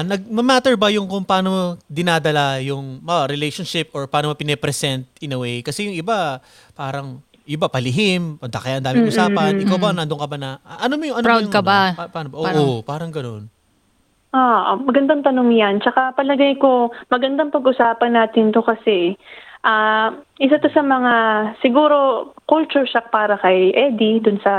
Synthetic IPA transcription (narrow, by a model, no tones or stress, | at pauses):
nɐɡ̚mɐmaːt̪ɛɹbɐjʊŋkʊŋpɐaːnomod̪ɪnaːd̪ɐlajʊŋmɐɾɪlɛjʃonʃɪp̚ʔoɹpaaːnomɐpɪnɛpɾɛsɛnt̪̚ɪnɐwɛjkɐsɛjʊŋʔɪba | paːɾɐŋ | ʔɪbapɐlɪɦɪmpɐnd̪akɐjaʔɐnd̪aːmɪɪɡʔʊsaːpɐnʔɪkawbɐnɐnd̪oŋkɐbanɐʔʔɐnomojʊŋʔɐnowd̪kɐbaapaːnobɐʔoʔopaːɾɐŋɡɐno̞n | ʔoʔmɐɡɐnd̪ɐŋt̪ɐno̞ŋjant͡ʃɐkapɐlɐɡajko̞mɐɡɐnd̪ɐŋpɐɡʔʊsaːpɐnːaːt̪ɪnt̪okɐsɛʔaʔɪs̬at̪osɐmɐŋasɪɡuːɾo̞kʊlt͡ʃʊɹʃak̚paːɾɐkɐjʔɛːd̪id̪ʊnsɐ